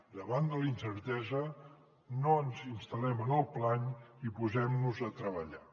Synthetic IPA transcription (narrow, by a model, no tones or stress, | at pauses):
d̪əβand̪əlinsəɾt̪ɛzə | noənzinst̪əlɛmənəlˠplaɲipuzɛmnuzət̪ɾəβ̞əʎa